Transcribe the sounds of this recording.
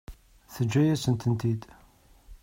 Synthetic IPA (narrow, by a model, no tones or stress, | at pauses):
θəd͡ʒːæjæsənt̪ənt̪id̪